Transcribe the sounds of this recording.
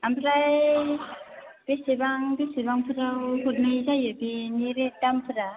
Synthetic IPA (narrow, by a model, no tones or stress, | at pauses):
ampʰɾaj | b̥esebaŋbesibaŋpʰɯɾawhut̚majzajabiniɾedampʰɯɾa